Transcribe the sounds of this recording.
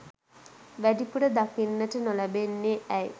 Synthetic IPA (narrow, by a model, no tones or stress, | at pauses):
ʋæɖipuɽəd̪akinːəʈənolæbenːeæj